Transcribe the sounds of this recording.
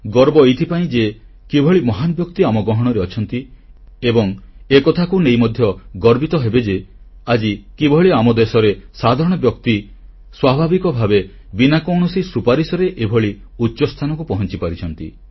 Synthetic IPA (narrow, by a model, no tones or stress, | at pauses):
ɡɔɾbɔejt̪ʰipaĩd͡ʒe | kibʱɔɭimɔɦanɔbjɔkt̪iamɔɡɾɔɦɔɽ̃ɔɾeɔt͡ʃʰɔnt̪iebɔŋekɔt̪ʰakunejmɔd̪ʱjɔɡɔɾbit̪ɔɦebed͡ʒe | ad͡ʒikibʱɔɭiamɔd̪esɔɾesad̪ʱaɾɔɽ̃ɔbjɔkt̪i | swabʱabikɔbʱabe | binakɔwɳ̃ɔsisupaɾisɔɾeʔebʱɔɭi | utːt͡ʃɔst̪ʰanɔkupɔɦɔnt͡ʃipaɾit͡ʃʰɔnt̪i